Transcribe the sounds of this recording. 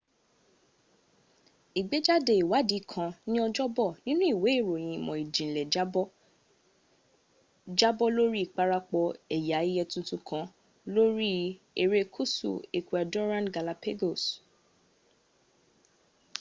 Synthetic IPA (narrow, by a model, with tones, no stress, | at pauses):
i˨ɡ͡be˨˦d͡ʒa˦de˧˨i˨wa˨˦di˨˦˨kʰã˧nĩ˦ɔ˧d͡ʒɔ˦bɔ˦˨nĩ˦nũ˦i˦˨we˨˦˨ɾo˨j̃ĩ˧˨mɔ̃˨i˨d͡ʒĩ˨lɛ˨˦ | d͡ʒa˦bɔ˦lo˦ɾi˦i˦˨k͡pa˦ɾa˦k͡pɔ˧ɛ˨ja˨˦i˦jɛ˧tũ˧tũ˧kʰã˧˦ | lo˦ɾi˦ | e˧ɾe˧kʰu˦sṵ˨e˨ku˨ɛ˧dɔ˦ɾã˦nɡa˨la˧pe˦ɡo˦˨s